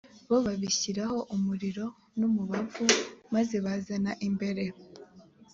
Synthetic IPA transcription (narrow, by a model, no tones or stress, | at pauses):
βoβaβiçiɾaho̞ʔumuɾiɾo̞ | numuβavumaze̞βazanaʔimbe̞ɾe̞